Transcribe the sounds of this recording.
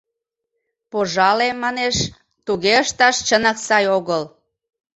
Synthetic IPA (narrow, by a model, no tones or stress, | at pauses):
poʒɑlemɑneʃ | t̪uɣeəʃt̪ɑʃt͡ɕənɑksɑjoɣəl